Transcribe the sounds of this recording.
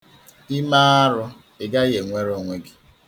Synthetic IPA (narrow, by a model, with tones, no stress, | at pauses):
i˦ma˦a˦ɾʊ˦ | ɪ˨ɡa˦ɣe˨ŋʷe˦ɾo˨ŋʷe˨ɡɪ̥˨